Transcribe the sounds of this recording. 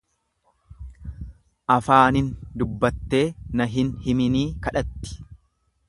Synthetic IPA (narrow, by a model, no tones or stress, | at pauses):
ʔɐfaːnɪnd̪ʊbːɐt̪ːe̞ːnɐɦɪnhɪmɪniːkɐᶑɐt̪ːɪ̥